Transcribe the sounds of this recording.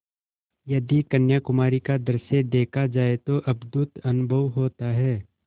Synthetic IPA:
jɐd̪ikɐnjakʊmaːɾikad̪ɐɾsed̪eːkʰad͡ʒaːet̪oʔɐbd̪ʊt̪ɐnʊbʱəʋɦoːt̪aɦɛː

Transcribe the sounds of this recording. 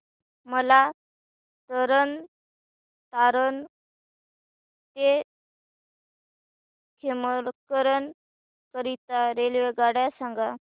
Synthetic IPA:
məla | t̪əɾən | t̪aɾən | t̪e | kʰeməkəɾən | kəɾit̪aɾelʋeɡaɽjasãŋɡa

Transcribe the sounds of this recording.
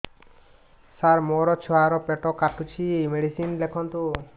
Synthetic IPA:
saɾmɔɾɔt͡ʃʰɔɦaɾɔpeʈɔkaʈut͡ʃʰimeɽisinlekʰɔnt̪u

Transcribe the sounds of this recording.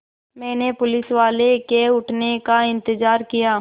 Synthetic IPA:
mɛ̃ːnepʊlɪsʋaːlekeʊʈʰnekaɪ̃nt̪ɪzaːɾkijaː

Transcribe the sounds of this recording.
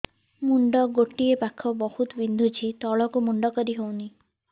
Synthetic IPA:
muɳɖɔɡoʈiepakʰːɔbɔhut̪ɔbind̪ʱut͡ʃʰit̪ɔɭɔkumuɳɖɔkɔɾiɦowni

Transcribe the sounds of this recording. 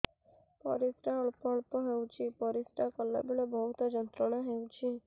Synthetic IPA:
pɔ̰ɾisʈaɔɭpɔːɭpɔɦewt͡ʃʰipɔɾisʈakɔlːa̰biɭɔbɔɦut̪ɔd͡ʒɔnt̪ɾɔɽ̃aɦewt͡ʃʰi

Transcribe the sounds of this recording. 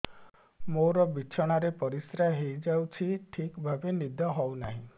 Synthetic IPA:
moɾɔbit͡ʃʰɔɽ̃aɾepɔɾisɾaɦejd͡ʒawt͡ʃʰiʈʰikbʱabenid̪ɔɦɔwnaɦĩ

